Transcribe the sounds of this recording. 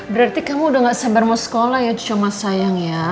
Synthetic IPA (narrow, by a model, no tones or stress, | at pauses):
bəɾart̪ikamuːdaŋɡaʔsabarmosə̥kolahjat͡ʃomasajaŋja